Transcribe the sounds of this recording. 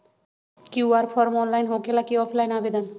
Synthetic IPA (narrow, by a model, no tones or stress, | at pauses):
kiaɾpʰɔɾmɔnlajnɦokelakiɔpʰlajnabed̪an